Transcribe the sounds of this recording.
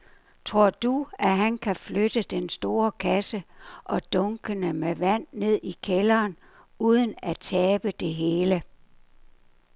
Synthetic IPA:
t͡sʰʁo̝ɐ̰d̥uæɦænkʰæflød̥əd̥ensd̥o̝ːɐkʰæsəʔɒ̽d̥ɔ̽ŋɡ̥ənəmeʋæn̰ːe̝ð̞̰ˠikʰelɐːn | uːð̞ˠənæt͡sʰɛːb̥əd̥e̝ɦe̝ːlə

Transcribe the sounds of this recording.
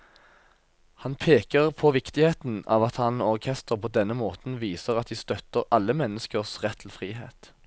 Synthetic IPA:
hɑnpʰeːkəʁpʰoʋɪkt̪ɪheːt̪n̩ɑ̰ːʋɑt̪hɑnɔʁkʰɛst̪əʁpʰoːd̪ɛnːəmoːt̪n̩ʋiːsəʁɑt̪̚d̪iːst̪œt̪əʁɑlːəmɛnːəskəʁsʁɛt̪ʰːɪl̩fʁiːhḛːt̪

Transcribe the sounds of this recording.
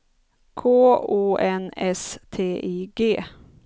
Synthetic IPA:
kʰoːoːʔɛnɛst̪ʰeːʔiːɡeː

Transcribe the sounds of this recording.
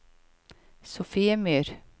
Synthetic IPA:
sʊfiːəmyːɾ

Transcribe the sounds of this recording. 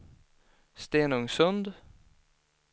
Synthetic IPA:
st̪eːnɵŋsɵnd̪

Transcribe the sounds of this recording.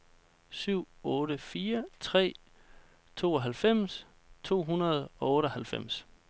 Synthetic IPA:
syʊ̰ɔ̽ːɾəfiːɐt͡sʰʁɛ̰ː | t͡sʰo̝̰ːɒɦælfem̰s | t͡sʰo̝̰ːɦunɐð̞ˠɒ̽ɔ̽ːɾəhælfem̰s

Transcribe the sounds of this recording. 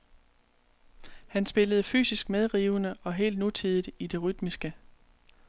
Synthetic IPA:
hænsb̥e̝ləð̞̩ˠəfy̰ːsisɡ̥með̞ˠʁiːʊnəɒ̽ɦe̝̰ːld̥nut͡sʰið̞ˠid̥id̥e̝ʁyd̥misɡ̥ə

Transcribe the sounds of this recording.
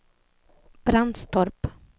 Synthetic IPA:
b̥ɾand̪st̪ʰɔɾp

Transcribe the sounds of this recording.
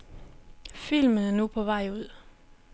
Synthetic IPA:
filmənæɐnupʰɒ̽ʋɑɪ̰uð̰ˠ

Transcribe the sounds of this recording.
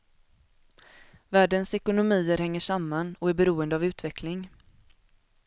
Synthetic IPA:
væːɖənsɛkʊnʊmiːəɾhɛŋːəʂamːanɔæɾbɛɾuːənd̪əavʉ̟ːt̪vɛklɪŋ

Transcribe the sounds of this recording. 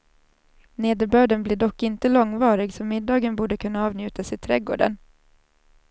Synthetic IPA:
neːd̪əɾbœːɖənblɪːɖɔkːɪnt̪əlɔŋvɑːɾɪɡsɔmɪd̪ːɑːɡənbuːɖəkʰɵnːaɑːvnjʉ̟ːt̪asɪt̪ʰɾɛɡo̰ːɖə̰n

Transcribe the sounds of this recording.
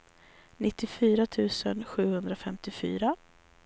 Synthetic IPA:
nɪt̪ːɪfyːɾat̪ʰʉ̟ːsənɧʉ̟ːhɵnd̪ɾafɛmt̪ɪfy̰ːɾa

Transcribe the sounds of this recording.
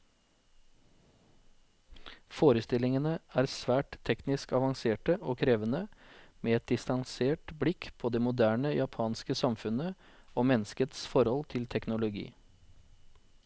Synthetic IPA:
foːɾəst̪ɪlɪŋənəæːɾsʋæːʈt̪ʰːɛknɪskɑʋɑŋseːʈəʔoːkʰɾeːʋənəmeːɛt̪̚d̪ɪst̪ɑŋseːʈblɪkpʰoːd̪eːmʊd̪æːɳəjɑpʰɑːnskəsɑmfʉnə | oːmɛnːəskət̪sfɔɾhɔlt̪ʰɪlt̪ʰɛknʊlʊɡḭː

